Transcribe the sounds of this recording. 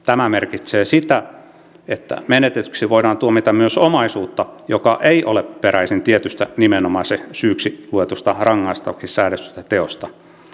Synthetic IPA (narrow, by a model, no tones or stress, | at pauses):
t̪æmæmerkit̪seːsit̪æ | et̪ːæ̰menet̪et̪y̥ksiʋoiɾɑːnt̪uomit̪ɑmmyøsomɑisuːt̪ːɑjokɑ̰ʔeiʔolepperæisint̪iet̪yst̪ænimenomɑsesyːksiluet̪ust̪ɑrɑŋːɑːst̪ɑɑksisæːɾest̪ːy̥st̪æt̪eost̪ɑ